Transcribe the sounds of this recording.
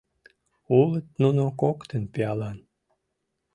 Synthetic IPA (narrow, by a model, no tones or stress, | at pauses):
ulət̪nunokokt̪ənpeɑlɑn